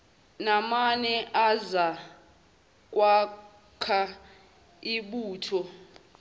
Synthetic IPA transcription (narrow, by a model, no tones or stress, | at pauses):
namanɛʔaza | k̬ʼwa | kʰa | iɓuːtʰɔ